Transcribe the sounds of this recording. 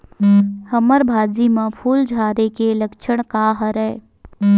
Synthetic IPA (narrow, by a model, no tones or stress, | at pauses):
həməɾbʱaːd͡ʒimãpʰuːld͡ʒʱaːɾekeləkʃʰəɽ̃kaɦəɾɛː